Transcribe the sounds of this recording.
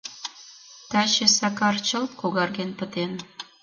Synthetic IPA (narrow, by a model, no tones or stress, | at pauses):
t̪ɑt͡ɕĕsɑkɑrt͡ɕə̆lt̪koɣɑrɣenpə̆t̪en